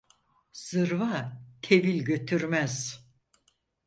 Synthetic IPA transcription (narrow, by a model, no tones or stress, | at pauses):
z̥ɯɾvat̪ʰe̞vilʲɟø̞t̪ʰyɾmæz̥